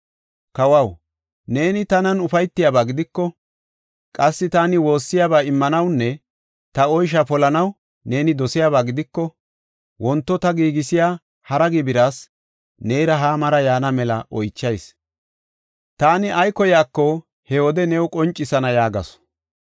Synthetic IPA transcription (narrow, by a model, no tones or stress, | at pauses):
kɐwɐw | ne̞ːnɪt̪ɐnɐnʊfɐjt̪ːɪjaːbaːɡɪd̪ɪkːɔ | kʼɐsːɪt̪aːnɪwo̞ːsːɪjaːbaːɪmːɐnɐwnːɛ | t̪ɐɔjʃ̬ɐpɔlɐnɐw | ne̞ːnɪd̪ɔsɪjaːβaːɡɪd̪ɪkːɔ | wɔnt̪ːɔt̪ɐɡiːɡɪsɪjaː | hɐɾɐɡɪbɪɾaːs | nejɾɐɦaːmɐɾɐjaːnɐmɛlɐ̰ʔɔjt͡ʃːɐjs | t̪aːnɪʔɐjkɔjaːkːɔ | hɛwɔd̪ɛnɛwkʼɔnt͡ʃʼːɪsɐnɐjaːɡɐ̰sɔ̥